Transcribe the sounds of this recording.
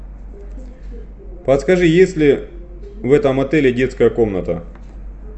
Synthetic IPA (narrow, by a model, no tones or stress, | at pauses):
pɐt̪skɐʐɨjesʲlʲɪ | vɛt̪ɐmɐt̪ɛlʲɪdʲe̞t̪skɐjəkomnɐt̪ə̰